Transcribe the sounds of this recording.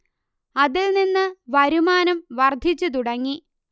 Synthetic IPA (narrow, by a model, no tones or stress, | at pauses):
ɐðilninːɨʋɐɾumaːnɐmʋɐrd̪ʱit͡ɕːut̪̬uɽɐŋːi